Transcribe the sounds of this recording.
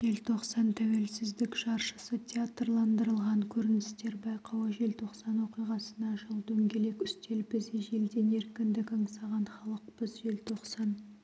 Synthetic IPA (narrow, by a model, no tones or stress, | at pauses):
ʒe̞lt̪ʰo̞qsɑnt̪ʰæwe̞lsɪzd̪ɪkʃɑɾʃə̥sət̪ʲʰeat̪rlˠɑnd̪əɾəlˠʁɑŋkʲʰɵɾɪnɪst̪e̞ɾbɑjqɑwəʒe̞lt̪ʰo̞qsɑnwo̞qijʁɑsənɑʒəlˠd̪ɵŋɡʲe̞le̞kʲʏst̪e̞lbɪzɪʒe̞ld̪e̞ne̞ɾkʲɪnd̪ɪkɑɴsɑʁɑnχɑlˠəqpəzʒe̞lt̪ʰo̞qsɑn